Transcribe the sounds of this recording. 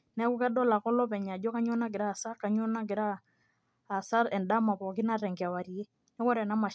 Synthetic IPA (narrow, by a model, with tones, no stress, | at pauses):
nɛ˦ku˦kɛ˦ɗɔ˦la˨kɔ˦lɔ˦pɛ˨ɲa˨d͡ʒɔ˦ka˦ɲɔ˦na˦k̬ɪ˨ɾa˦˨sa˦ka˨ɲo˦na˦k̬ɪ˨ɾaː˦˨ | sa˦ɾɛ˨nda˦ma˨pɔ˨kɪ˦na˦ɾɛ˨ŋɡa˨wa˨ɾi˨e˦ | nɛ˦kɔ˦ɾɛ˨na˦ma˨